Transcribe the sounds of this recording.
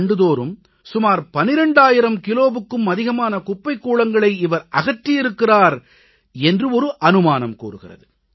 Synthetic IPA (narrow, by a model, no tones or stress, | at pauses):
ɳɖɯðoːɾɯm | sʊmaːɾpɐnɪɾɐɳɖaːjɪɾɐmkɪloːʋɯkːɯmɐðɪɣɐmaːnɐkʊpːɐɪkːuːɭɐŋɡɐɭɐɪɪʋɐɾʔɐɣɐʈːɪjɪɾɯkːɪraːɾ | ɛndrɯɔɾɯʔɐnɯmaːnɐmkṵːɾɯɣɪ̰rɐ̰ðɯ